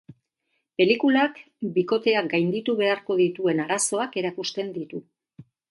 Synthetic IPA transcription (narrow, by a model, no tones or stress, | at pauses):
pe̞likulak | biko̞t̪e̞aɡajnd̪it̪uβe̞aɾko̞ðit̪ue̞naɾaso̞ake̞ɾakust̪e̞nd̪it̪u